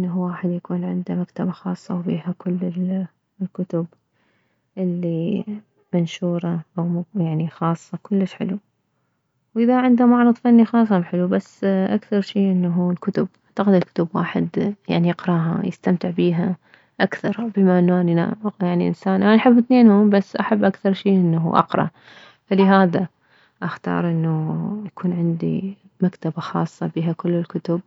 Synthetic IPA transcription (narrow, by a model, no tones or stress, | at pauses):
ʔɪnːaɦuwaːħɪd̪jakuːnʕɪnd̪amakt̪abaxɑːsˤːɑwbiːhakʊlːɪl | lkʊt̪ʊb | ʔɪlːi | manʃuːɾˤɑʔawjaʕnixɑːsˤːɑkʊlːəʃħɪ̰lu | wʔɪðaʕɪnd̪amɑʕɾˤɨðˤfanːixɑːsˤːamħɪlubasːʔakθɑɾˤʃiːʔɪnːaɦuːlkʊt̪ʊbaʕt̪aqɪd̪alkʊt̪ʊbwa̰ːħɪ̰d̪ja̰ʕnijɪqɾˤɑːɦa̰jɪst̪amt̪ɪʕbiːɦa | ʔakθɑɾˤbɪmaʔɪnːʔanna̰jaʕniʔɪ̰nsaːnʔanaʔħɪbːɪθneːnhuːmbasːʔaħabːʔakθɑɾˤʃiːʔɪnːaɦṵːʔɑ̰qɾˤɑ̰ | falɪɦaːða | ʔaxt̪ɑ̰ːɾˤʔɪnːujakʰuːnʕɪnd̪ḭ | makt̪abaxɑːsˤːɑbiːɦakʊlːɪlkʊt̪ʊb̚